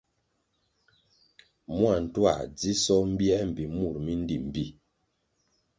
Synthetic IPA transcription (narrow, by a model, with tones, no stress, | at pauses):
mwa˨n̩˨twa̰˨d͡zi˦sɔ˦m̩˦bi˦ɛ˦m̩˨bi˨mu˦˨ɾmi˦n˦di˨m̩˨bi˦˨